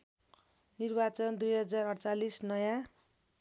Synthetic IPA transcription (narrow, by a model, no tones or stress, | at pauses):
nirbat͡sʌnd̪ujɦʌd͡zarʌɽt͡salisnʌja